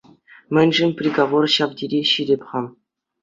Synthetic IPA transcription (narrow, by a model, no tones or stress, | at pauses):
mʲɘ̆nʲʐɘ̆nʲpʲrʲeɡoʋorɕɑʋdʲiɾʲeɕiɾʲepʲχɑm